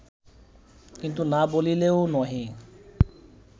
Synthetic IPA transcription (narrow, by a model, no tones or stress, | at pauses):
kint̪unabolileoʊnɔɦĩ